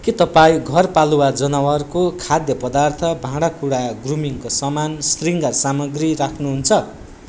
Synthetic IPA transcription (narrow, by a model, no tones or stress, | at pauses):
kit̪ʌpaĩɡʱʌrpaluwad͡zʌnʌwʌrkokʰad̪jʌpʌd̪art̪ʰʌbʱãɽakuɽaɡrumiŋkosʌmansriŋɡʌrsamʌɡrirakʰnuɦunt͡sʰʌ